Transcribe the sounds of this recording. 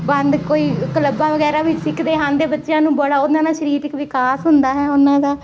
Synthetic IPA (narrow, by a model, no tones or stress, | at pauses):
bə̃nd̪koːiːkələbãːʋəɡɛːɾaːʋɪt͡ʃsɪkʰd̪eːɦãnd̪eːbətːʃjãːnũːbəɽaːʊnãːnaːʃəɾiːɾɪkʋɪkaːsɦʊnd̪aːɦɛːʊnãːd̪aː